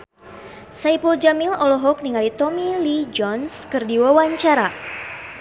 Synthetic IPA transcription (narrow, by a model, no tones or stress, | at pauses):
saipuld͡ʒamilɔlɔɦɔk̚niŋalit̪ɔmilid͡ʒɔnskɨrdiwawaɲt͡ʃaɾa